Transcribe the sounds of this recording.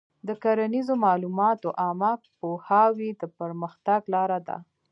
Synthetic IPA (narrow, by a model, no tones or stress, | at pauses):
d̪əkaɾanizomɑlumɑt̪oʔɑma | pohɑwid̪əpəɾməxt̪aɡlɑɾad̪a̰